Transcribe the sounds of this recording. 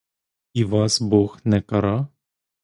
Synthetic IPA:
iʋɑsbɔxnɛkɐɾɑ

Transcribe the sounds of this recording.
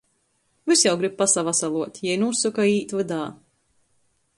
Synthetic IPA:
visjawɡɾib̚pasavasalˠuɔt̪ʲjɛjnusukaiːt̪vɨd̪aː

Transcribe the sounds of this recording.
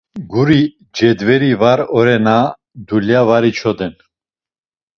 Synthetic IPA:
ɡuɾi | d͡ʒɛd̪vɛɾivaɾɔɾɛna | d̪uljavaɾit͡ʃʰɔd̪ɛn

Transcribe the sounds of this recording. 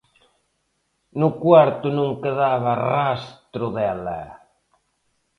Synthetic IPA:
nʊkwaɾt̪ʊnũŋkeðaβɐrast̪ɾʊðɛlɐ̰

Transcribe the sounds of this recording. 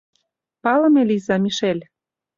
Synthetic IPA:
pɑlə̆melʲizɑmiʃelʲ

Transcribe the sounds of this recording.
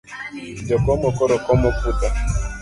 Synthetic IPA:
dɔkɔmɔkɔɾɔkɔmɔputa

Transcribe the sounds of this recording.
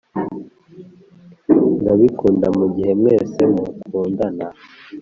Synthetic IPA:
ŋɡaβikuːndamuɟihe̞mŋeːsemukʰuːndana

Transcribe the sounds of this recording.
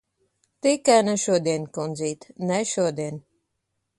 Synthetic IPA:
t̪ikænaʃuɔd̪inʲkɔnd̪ziːt̪nɛʃuɔd̪iɛn

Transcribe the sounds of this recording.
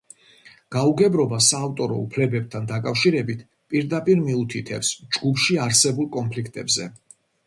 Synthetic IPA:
ɡ̥auɡɛbɾɔbasaːvt̪ʼɔɾɔ̰ṵpʰlɛbɛb̚t̪ʰand̪akʼafʃiɾɛbit̪ʰ | pʼiɾd̪apʼiɾmiut̪ʰit̪ʰɛpsd͡ʒɡupʰʃiaɾsɛbulˠkʼɔnpʰlikʰt̪ʼɛbzɛ

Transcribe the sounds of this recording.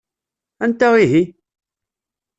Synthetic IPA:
ænt̪æwiɦi

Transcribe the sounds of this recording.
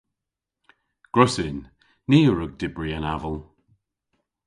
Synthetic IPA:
ɡ̥ɹɔsɪn | niːəɹəɡ̚dɪbɹiənavəlˠ

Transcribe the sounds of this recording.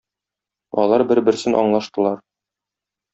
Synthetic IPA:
ɒ̰lˠɑɾbɘɾbɘ̆ɾsɘnʔɒ̰ɴlˠɑʃt̪ɤ̆lˠɑɾ

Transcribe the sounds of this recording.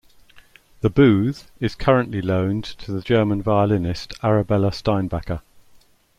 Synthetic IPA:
ðəbʉːð̥ɪz̥kʰʌɹə̃nʔlilə̃ʊ̃ntʰəðəd͡ʒɜːmə̃nvaɪəlɪnɪstʰaɹəbɛləstãɪ̃nbakə

